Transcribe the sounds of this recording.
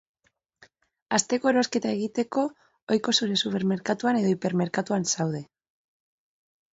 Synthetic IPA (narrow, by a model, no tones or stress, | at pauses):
ast̪e̞ko̞eɾo̞ske̞t̪ae̞ɣit̪e̞ko̞ | ojko̞suɾe̞supe̞ɾme̞ɾkat̪uane̞ðo̞ipe̞ɾme̞ɾkat̪uansawðe̞